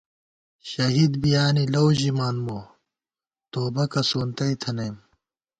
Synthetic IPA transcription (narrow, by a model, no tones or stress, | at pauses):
ɕɐɦid̪bijaːnilɐwʑimaːnmo | t̪oːbɐkɐsoːnt̪ɐit̪ʰɐnem